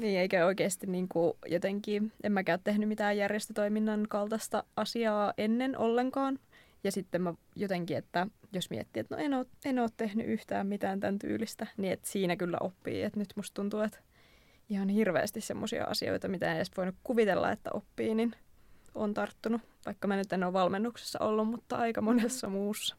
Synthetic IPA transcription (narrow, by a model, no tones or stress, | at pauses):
niːeikæoikeːst̪inniːŋkujot̪eŋkiːʔemmækæøt̪t̪ehnymit̪æːjærjest̪ət̪oiminːɑnkɑlt̪ɑst̪ɑɑsiɑːʔenːenʔo̰lːeŋkɑːn | jɑsit̪ːemmæ | jot̪eŋkiet̪ːæjosmiɛ̰t̪ːiːet̪no̰enoːt̪enoːt̪t̪ehny̰ʔyht̪æːmmit̪æːnt̪ænt̪y̰ːlist̪æniet̪siːnækylːæ̰ʔopːḭːet̪nyt̪must̪t̪unt̪uet̪ | ihɑnhirʋḛːst̪issḛmːosḭɑ̰ʔɑ̰sio̰it̪ɑmit̪æenesʋoinukkuʋit̪elːɑ̰et̪ːæ̰ʔopːiːninoːnt̪ɑrt̪ːunu | ʋɑikːɑmænyt̪enoːʋʋɑlmenːukse̥sːɑ̰ʔolːummut̪ːɑɑikɑmonesːɑmuːsːɑ̥